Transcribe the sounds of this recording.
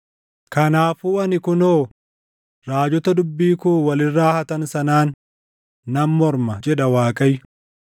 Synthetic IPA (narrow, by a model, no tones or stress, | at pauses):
kɐnaːfuːʔɐnɪkʊnoː | ɾaːd͡ʒɔt̪ɐd̪ʊbːiːkuːwɐlɪrːaːhɐt̪ɐnsɐnaːnː | ɐmːɔɾmɐd͡ʒɛᶑɐwaːkʼɐjːʊ